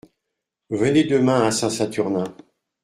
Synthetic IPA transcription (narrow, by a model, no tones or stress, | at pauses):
vəned̪əmɛ̃asɛ̃sat̪yʁnɛ̃